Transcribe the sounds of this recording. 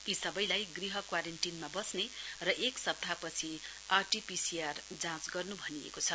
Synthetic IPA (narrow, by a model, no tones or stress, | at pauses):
isʌbʌjlajɡriɦʌkwaɾenʈinmabʌsnerʌʔeksʌb̚t̪apʌt͡sʰi | arʈipisiard͡zãt͡sɡʌrnubʱʌniḛkot͡sʰʌ